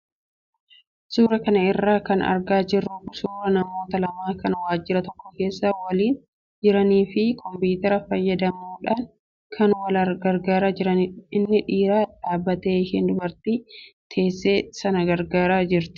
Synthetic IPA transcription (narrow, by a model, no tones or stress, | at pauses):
suːɾɐkɐnɐɪrːaːkɐ̰nɐ̰ɾɡaːd͡ʒɪrːʊʊsuːɾɐnɐmo̞ːt̪ɐlɐmaːkɐnwaːd͡ʒːɪɾɐt̪ɔkːɔke̞ːsːaːwɐliːn | d͡ʒɪɾɐniːfɪkʰɔmbiːt̪ɛɾɐfɐjːɐd̪ɐmuːᶑaːn | kʰɐnwɐlɐɾɡɐɾɡaːɾaːd͡ʒɪɾɐnɪɪnːɪᶑiːɾaːᶑaːbːɐt̪e̞ːɪhɪnd̪ʊbɐɾt̪it̪ʰe̞ːsːe̞ːsɐnɐɡɐɾɡaːɾaːd͡ʒɪɾt̪ɪ̥